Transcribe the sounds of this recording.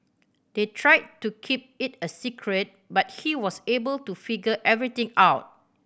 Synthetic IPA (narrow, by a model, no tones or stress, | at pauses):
d̥etʰɹaɪd̚tukʰip̚ɪtəsikʰɹət̚ | bat̚hiwɔsebəltufiɡəʔɛvɹit̪ɪ̃ŋawt̚